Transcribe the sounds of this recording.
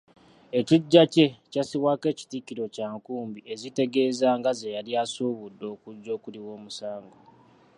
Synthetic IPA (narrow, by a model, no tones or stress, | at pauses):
e̞ciɟːace̞casiwaːke̞ːci̥tikiɾo̞caːŋkuːmbie̞zite̞ɡe̞ːzaŋɡazejaliasuːβudːo̞ːkuɟːo̞ːkuliwo̞ːmusaːŋɡo̞